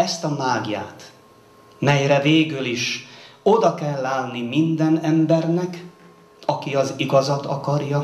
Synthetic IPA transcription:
ɛst̪ɒmaːɡja̰ːt̪ | mɛjɾɛveːɡyliʃo̞d̪ɒkɛlːaːnnːimind̪ɛnɛmbɛrnɛk | ɒkiɒziɡɒzɒt̪ɒ̰kɒrjɒ

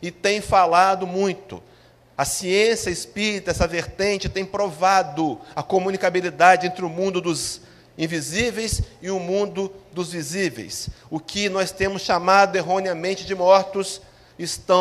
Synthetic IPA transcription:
ɪt̪ẽj̃falad̪ʊmũj̃t̪ʊ̰ | ɐsiẽsiɐɪspiɾit̪ʊɛsɐveɾt̪ẽnt͡ʃɪt̪ẽj̃pɾovad̪ʊɐkomũnikabilid̪ad͡ʒɪẽnt̪ɾɪʊmũnd̪ʊd̪ʊz | ĩvizivejsɪʊmũnd̪ʊd̪ʊzvizivḛjsʊkɪnɔst̪ẽmʊsʃamad̪ʊeɦõniɐmẽnt͡ʃɪd͡ʒɪmɔɾt̪ʊs | ɪst̪ɐ̃

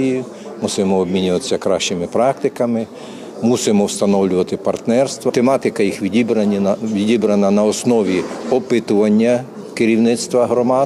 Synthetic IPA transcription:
ijʊ | musɪmɔɔbmʲinʲʊʋɐt̪ɪ̥sʲɐkɾɑʃt͡ʃɪmɪpɾɑk̚t̪ɪkɐmɪ | musɪmɔwst̪ɐnɔwlʲʊʋɐt̪ɪpɐrt̪nɛrst̪ʋɐt̪emɑt̪ɪkɐjixʋʲidʲibɾɐʋʲidʲibɾɐnɐnɐɔsnɔʋʲiɔpɪt̪ʊʋɐnʲːɐ | kɪɾʲiwnɪt̪st̪ʋɐɦɾɔmɑ

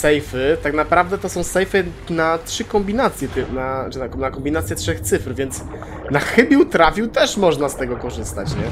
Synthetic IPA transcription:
sɛjfɘt̪aknapɾavd̪ɛt̪ɔsɔ̃w̃sɛjfɘ | natʂɘkɔmbʲinat̪sʲjɛt̪nat͡ʂɨnakɔnakɔmbʲinat̪sʲjɛtʂɛxt̪sɘfɾvʲjɛnt̪s | naxɘbʲjiwt̪ɾafʲjiwt̪ɛʂmɔʐnast̪ɛɡɔkɔʐɘst̪a̰t͡ɕɲɛ

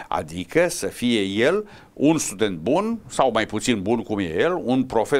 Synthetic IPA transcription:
a̰d̪ikəsəfiejel | unst̪ud̪ent̪̚bunsawmajput̪sinbunkumjḛjelunpɾo̞fe

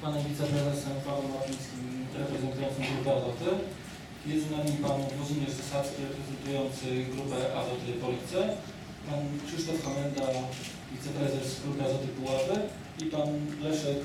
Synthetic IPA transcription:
panɛmvʲit̪sɛpɾɛzɛsɛmpawɛmavʲɲʲit̪skʲimɾɛpɾɛzɛnt̪ujɔnsɔ̃mɡɾupɛazɔt̪ɛ | jɛzunamʲipanuɔzʲiɲʲɛʐzasat̪skʲiɾɛpɾɛzɛnt̪ujɔnt̪sɘɡɾupɛʔazɔt̪ɘpɔlʲit̪sɛ | pankʂɘʂt̪ɔfxamɛnd̪a | vʲit̪sɛpɾɛzɛsɡɾupɛazɔt̪ɘpuwavɛ | ipanlɛʂɛk

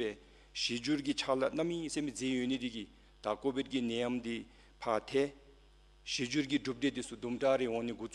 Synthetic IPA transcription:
ɛː | ɕid͡ʑuɹkit͡ɕʰalanamːiːsemid͡zeːjønet̪iki | t̪akopekinɛːjamt̪i | pʰat̪ʰɛː | ɕid͡ʑuɹk̬iʈ͡ʂup̚ɖ͡ʐet̪isud̪umʈ͡ʂareɦɔŋneɡut͡s

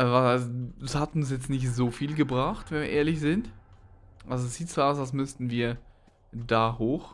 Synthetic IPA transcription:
ʔvaazshatʊnsjɛt͡stnɪçtz̥oːfiːlɡəbʁaxtvɛnviɐeːɐlɪçz̥ɪnt | ʔalzoɛsz̥iːtz̥oːaʊsals̬mʏstn̩viːɐ | daːhoːx

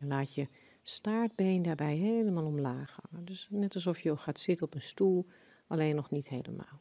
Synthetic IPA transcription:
laːtjə | staːɹd̚beːndaːɹbɛjɦeːləmaːlˠɔmlaːxaːdøsnɛtɑlˠsɔfjəoxaːtsɪtənɔpənstulˠ | ʔaleːnɔxnithḛjlə̰ma̰ːlˠ

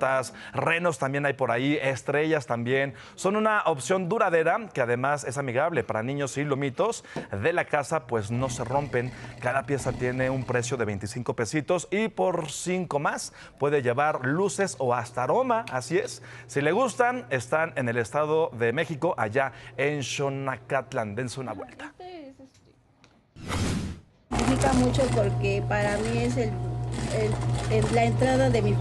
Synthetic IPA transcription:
t̪asre̞no̞st̪ambje̞najpo̞ɾaie̞st̪ɾe̞ʝast̪ambje̞n | so̞nũnaʔo̞psjo̞nd̪uɾaðe̞ɾake̞aðe̞mase̞s̬amiɣaβle̞paɾanĩɲo̞silumit̪o̞sðe̞lakasapwe̞zno̞se̞ro̞mpe̞ŋkaðapje̞sat̪je̞ne̞umpɾe̞sjo̞ðeβe̞jnt̪isiŋko̞pe̞sit̪o̞sipo̞ɾsiŋko̞mas | pwe̞ðe̞ʝe̞βaɾluse̞so̞ast̪aɾo̞maasiesːile̞ɣ̞ust̪ane̞st̪ane̞ne̞le̞st̪aðo̞ðe̞me̞xiko̞ʔaʝaenʃo̞nakat̪land̪ensuna̰βwe̞̰lt̪ḁ | t̪ifikamut͡ʃopoɾkepaɾamies̬eleelaent̪ɾaðaðemi

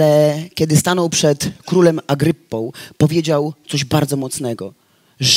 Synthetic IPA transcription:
ɛkʲɛd̪ɘst̪anɔwpʂɛt̪kɾulɛmaɡɾɘpːɔ̃w̃pɔvʲjed͡ʑawt̪sɔʑbaɾd̪zɔmɔt̪snɛɡɔ | ʐ

